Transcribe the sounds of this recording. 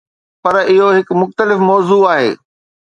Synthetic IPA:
pɐɾɪɦoɦɪkmʊxt̪əlɪfmɔːzuaːɦḛː

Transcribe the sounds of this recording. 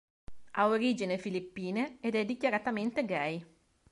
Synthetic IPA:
aoɾiːd͡ʒinefilipːiːneed̪ɛd̪ikjaɾat̪ament̪eɡɛj

